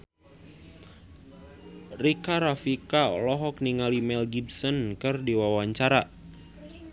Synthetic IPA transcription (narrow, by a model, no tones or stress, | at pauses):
rikaɾafika̰lɔɦɔkniŋalimɛlɡibsɔnkɨrdiwawaɲt͡ʃaɾa